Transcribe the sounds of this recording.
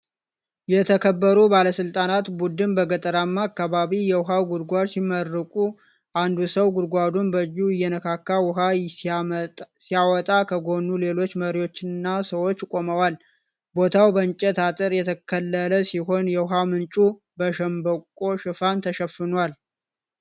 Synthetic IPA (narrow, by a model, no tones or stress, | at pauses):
jɛt̪ʰəkʰəbːəɾubaləsɨlt̪ʼanat̪bud̪ɨnbəɡət̪ʼəɾamːaːkːaβaβijɛwʊɦawɡʊd̪ɡʷad̪simərːɨkʼu | ʔand̪usəwɡʊd̪ɡʷad̪unbəjːuɪjːɛnəkʰakːawʊɦa | sijawɔt̪ʼakʰəɡo̞nːule̞lo̞t͡ʃːməɾiwo̞t͡ʃːɪnːasəwo̞t͡ʃːkʼo̞məwal | bo̞t̪ʰawbəɨnt͡ʃʼɛt̪at̪ʼɨɾjɛt̪ʰəkʰəlːələsiɦo̞njɛwʊɦawmɨnt͡ʃʼu | bəʃɛmbəkʼo̞ʃɨfant̪ʰəʃəfːɨnwal